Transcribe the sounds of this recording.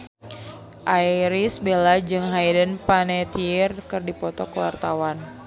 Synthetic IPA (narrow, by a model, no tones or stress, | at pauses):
ʔaiɾisbelad͡ʒɨŋɦajdənpanɛt̪iɪrkɨrdipɔt̪ɔkəwa̰rt̪awan